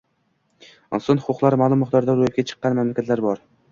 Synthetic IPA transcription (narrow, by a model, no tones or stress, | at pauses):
ɒnsɒnhʊqʰʊqlˠaɾmalˠʊmːʊχt̪ɒɾd̪aɾojɪp̚kʲat͡ʃʰɨ̥qːɑnmamlakʲat̪laɾbɒɾ